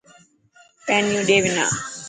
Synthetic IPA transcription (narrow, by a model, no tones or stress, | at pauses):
pɛːnjũːɖeːʋɪna̰ː